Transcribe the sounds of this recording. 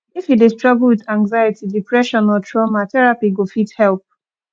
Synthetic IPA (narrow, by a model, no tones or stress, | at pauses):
ifidestɹɔɡl̩ˠwiðãŋɡzajitidipɹɛʃɔ̃nɔtʰɹɔmatɛɹapiɡofithɛlp̚